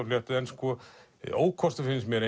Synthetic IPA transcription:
ɔljɛht̪ɪðɛnskɔ | o̰ːwkʰɔst̪afɪnsmjɛɾe

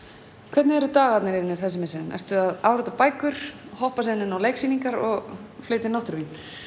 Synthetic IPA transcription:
kʰvɛt̪nɪɛɾʏt̪aːɣat̪nɪɾɪnɪɾ̥θɛsɪmɛːsɪnɪnʔɛ̰r̥t̪ʏaðawɾɔt̪apaːjkʏɾ̥hɔhpasɪnːɪnawleːjksiːniŋkaɾɔɣfleːɥt̪ɪnawht̪ɾvin

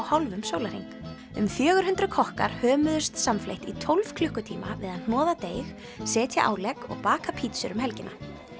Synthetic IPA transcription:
whawlvʏmsoːwlaɾ̥iŋk | ʏmfjœːɣʏɾ̥hʏnt̪ɾʏkʰɔhka̰ɾ̥hœːmʏðʏst̪samflḛjht̪it̪ʰowlv̥kʰlʏhkʏt̪ʰiːma̰vɪðann̥ɔːðat̪eːjx | sɛːt̪ʰja̰ʔa̰ːwlɛkɔ̰ɣpaːkapʰit̪sʏɾʏmhɛlcɪnʔa̰

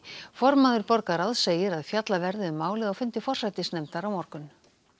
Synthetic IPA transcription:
fɔɾmaðʏɾpɔɾkaɾaðseːjɪɾaðfjat̪lavɛɾðɪʏmaːwlɪðafʏnt̪ɪfɔr̥sajt̪ɪsnɛmt̪aɾawmɔɾkʏn

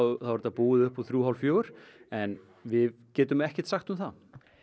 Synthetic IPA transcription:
θawɛɾɪt̪apuːɪðʏhpɔθɾjuːɦawlfjoːwʏɾ̥ɛn | vɪðcɛːt̪ʏmɛhcɪ̥t̪saxt̪ʏmθa

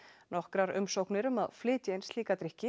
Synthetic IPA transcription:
nɔhkɾaɾʏ̰msowknɪɾʏmaðflɪːt̪ejnsliːkat̪ɾɪhcɪ

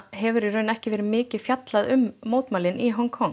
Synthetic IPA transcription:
ɦɛvʏɾiɾrœːɥnɛhcɪvɛːɾɪmɪːcɪ̥fjat̪laðʏmːoːwt̪maːwlɪniɦɔŋkʰɔŋ

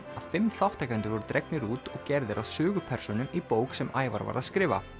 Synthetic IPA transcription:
að̥fɪmθawht̪ajkant̪ɪɾvɔɾʏt̪ɾejknɪɾuːt̪ɔɣcɛɾðɪɾʔaðsʏːɣʏpʰɛr̥sɔnʏmipoːwksɛmaːjva̰ɾva̰ɾa̰ðskɾɪːva̰

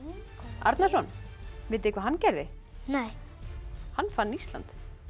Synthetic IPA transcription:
a̰ɾt̪nasɔnvɪt̪ɪɪhkvaɦanːcɛɾðɪ | nɛj | hanːfanːist̪la̰nt̪

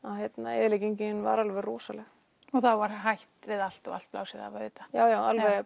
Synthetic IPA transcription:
ahjɛt̪naɛːðlɪciɲcɪnva̰ɾalvɛɾːɔːsalɛɣ | ɔɣθawvaɾ̥ɦajht̪vɪðal̥t̪ɔɣal̥t̪̚pla̰wsiða̰vʏːt̪ḁjaːwjaːwalvɛ

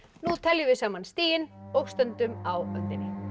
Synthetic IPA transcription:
nut̪ʰɛljʏvɪsaːmanst̪iːjɪnowkst̪œnt̪ʏmawœnt̪ɪnːɪ

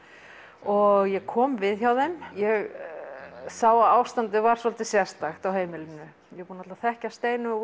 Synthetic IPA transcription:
ɔɣjɛɣkʰɔːmvɪðçawðejmjɛɣ | saːwaðawst̪ant̪ɪvaɾ̥sɔlt̪ɪsjɛ̥st̪axt̪awɦeːjmɪlɪnːʏ | jɛpunat̪aθɛhcast̪eːjnʏ

